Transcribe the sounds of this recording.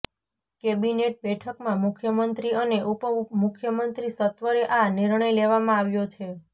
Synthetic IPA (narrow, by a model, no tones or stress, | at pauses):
kebineʈ̚bɛʈʰəkmãmukʰjəmənt̪ɾiəneʔupəmukʰjəmənt̪ɾisət̪ʋəɾeʔaniɾɳəjleʋamãaʋjot͡ʃʰe